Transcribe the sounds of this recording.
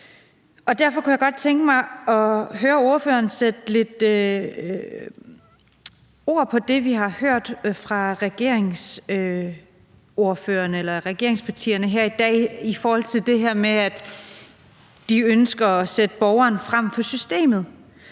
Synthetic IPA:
ɒ̽d̥æɐfɒ̽kʰujaɡ̥ɒ̽d̥̚t͡sʰeŋɡ̥əmɑ̈ɪɒ̽ɦøːɐo̝ɐfø̰ːɐnsed̥le̝d̥ø | o̝ɐ̰pʰɒ̽d̥e̝ʋiɦɑ̈høɐ̰d̥fʁɑ̈ʁɛɡ̥e̝ɐ̰eŋs | o̝ɐføːɐnəelɐʁɛɡ̥e̝ɐe̝ŋspʰɑ̈t͡sʰḭːɐnəɦæɐ̰id̥ɛ̰ːifɒːhɒ̽l̰t͡sʰe̝ld̥e̝ɦæɐ̰meæd̥ | d̥iønsɡ̥ɐɒsed̥əb̥ɒʊɐːnfʁam̰fɒ̽sysd̥e̝̰ːmð̩ˠ

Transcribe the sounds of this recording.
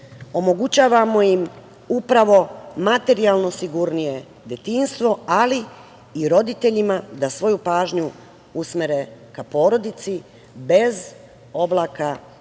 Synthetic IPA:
o̞mo̞ɡut͡ɕaːʋamo̞jim | upɾaʋo̞mat̪e̞ɾialˠno̞siɡuɾnije̞ | d̪et̪inst̪ʋo̞ali | iɾo̞d̪it̪e̞ʎimad̪asʋo̞jupaːʒɲu | usmeɾe̞kapo̞ːɾo̞d̪it̪si | be̞z | o̞blˠaka

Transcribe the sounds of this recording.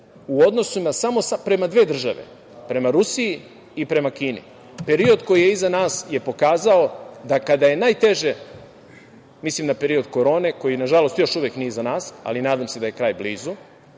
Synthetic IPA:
uod̪no̞sunasamo̞sapɾe̞mad̪ʋe̞ːd̪r̩ʒa̰ʋḛ | pɾe̞maɾusiiː | pɾe̞makiːnḭ | pe̞ɾio̞d̪ko̞jijeizanaːsje̞po̞kaːzao̞d̪akad̪aje̞naːjt̪e̞ʒe̞ | mislimnape̞ɾio̞d̪ko̞ɾo̞ːne̞ko̞jinaʒalo̞st̪jo̞ʃuʋjeknijezanaːsa̰linaːd̪amse̞d̪aje̞kɾaːjbliːzu

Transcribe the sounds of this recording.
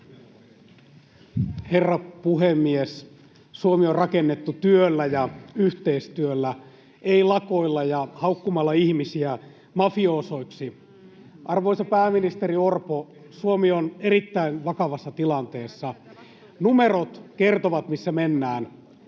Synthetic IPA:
herːɑpuɦemːies | suomiorrɑkenːet̪ːut̪yølːæjɑyht̪eist̪yølːæ | eilɑko̞ilːɑjɑhɑukːumɑlːɑihmisiæ | mɑfioso̞iksi | ʔɑrʋoisɑpæːminist̪eɾiorpo | suomioneɾit̪ːæinʋɑkɑʋɑsːɑt̪ilɑnt̪eːsːɑ | numerot̪kert̪oʋɑt̪misːæmenːæːn

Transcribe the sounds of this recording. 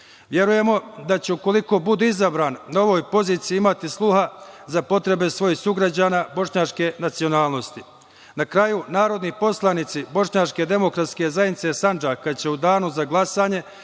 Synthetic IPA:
ʋje̞ɾuje̞mo̞d̪at͡ɕeuko̞liko̞bud̪eizabɾaːnːao̞ʋoːjpo̞ziːt̪sijiimat̪islˠuɦazapo̞t̪ɾe̞be̞sʋo̞jihsuɡɾad͡ʑaːnaːbo̞ʃɲat͡ʃke̞nat̪sio̞naːlˠno̞st̪i | nakɾajunaːɾo̞d̪nipo̞slˠanit̪sibo̞ʃɲat͡ʃke̞d̪e̞mo̞kɾat̪ske̞zaːjenit̪se̞sand͡ʒakad̪t͡ɕe̞ud̪aːnuzaɡlˠasaːɲe̞

